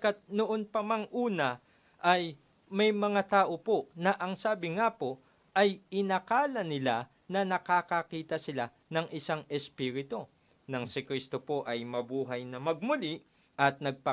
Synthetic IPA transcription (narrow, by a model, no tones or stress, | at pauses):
kat̪̚noʔonpɐmɐŋʔuːnɐ | ʔɐj | mɐjmɐŋat̪aːʔo̞po̞nɐʔɐŋsaːbɪŋapo̞ | ʔɐjɪnɐkaːlɐnɪla | nɐnɐkaːkɐkiːt̪ɐsɪla | nɐŋʔɪsaŋɛspiːɾɪt̪o̞ | nɐŋsɪkɾist̪o̞po̞ʔɐjmɐbuːɦɐjnɐmɐɡ̚mʊli | ʔɐt̪̚nɐɡ̚pɐ